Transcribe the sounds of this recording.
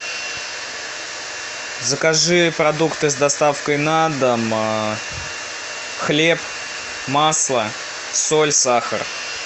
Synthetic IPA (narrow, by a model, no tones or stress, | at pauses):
zəkaʐɨjəpɾɐd̪ukt̪ɨzd̪ɐst̪afkəjnad̪əm | xlʲe̞p | maslˠə | solʲsaxə̰r